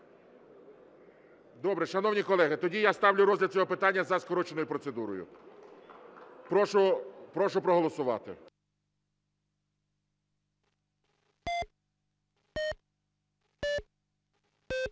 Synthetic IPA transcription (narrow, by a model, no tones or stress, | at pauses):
d̪ɔbɾɛʃɐnɔwnʲikɔlˠɛɦɪt̪ɔdʲijast̪ɑwlʲʊɾɔzʲlʲɐd̪̚t͡sʲɔɦɔpɪt̪ɑnʲːɐzɐskɔɾɔt͡ʃenɔjʊpɾɔt̪sed̪uɾɔjʊ̰ | pɔʃʊpɾɔʃʊpɾɔɦɔlˠɔsʊʋɑ̰t̪ɪ̰